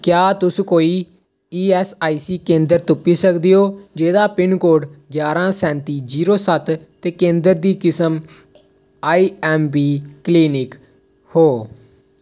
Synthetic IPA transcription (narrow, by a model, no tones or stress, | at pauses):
kjaːt̪ʊskoːiː | iːɛːsaːiːsiːkẽːnd̪əɾt̪ʊpːiːsəkd̪ioːd͡ʒeːd̪aːpɪnkoːɖɡjaːɾãːsɛ̃ːnt̪iːd͡ʒiːɾoːsət̪t̪eːkẽːnd̪əɾd̪iːkɪsəm | aːiːɛːmbiːkliːnɪk | hoː